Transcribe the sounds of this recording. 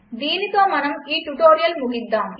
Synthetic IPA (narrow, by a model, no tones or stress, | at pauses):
d̪iːlɪk̪ɐːmɐnɐmiːʈʊʈoːɾɪjɐlmʊɣɪd̪ːaːm